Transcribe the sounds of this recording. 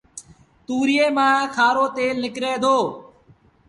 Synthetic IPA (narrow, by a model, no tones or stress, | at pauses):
t̪uːɾɪjeːmãːkʰaːɾoːt̪eːlnɪkɾeːd̪ʱoː